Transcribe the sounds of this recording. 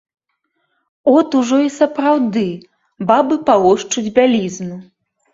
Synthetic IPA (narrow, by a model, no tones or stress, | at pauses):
ɔt̪uʐɔisɐpɾawd̪ɨ | babɨpalˠɔʂt͡ʂud͡zʲbʲalʲiznu